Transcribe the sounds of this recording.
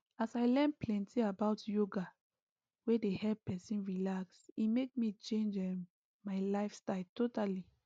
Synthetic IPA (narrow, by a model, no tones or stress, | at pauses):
asaɪlɛ̃nplɛ̃ntʰiabaʊtjoɡa | wedehɛpɛsĩnɹilaksimek̚mit͡ʃẽnd͡ʒɛm | maɪlaɪfstaɪltotali